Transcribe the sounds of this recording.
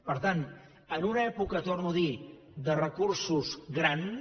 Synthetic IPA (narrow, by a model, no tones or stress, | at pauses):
pəɾt̪an | ənunəɛpukət̪ornuði | d̪ərəkursuzɣɾan